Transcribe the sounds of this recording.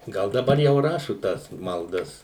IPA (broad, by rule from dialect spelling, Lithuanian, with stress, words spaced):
ˈɡɐlˠ dɐˈbɐr jɛʊ ˈrɑːʃʊ ˈtɐs mɐlˠˈdɐs